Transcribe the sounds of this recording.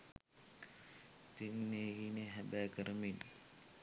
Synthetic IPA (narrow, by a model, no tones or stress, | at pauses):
t̪iŋneːhineɦæbæːkəɾəmin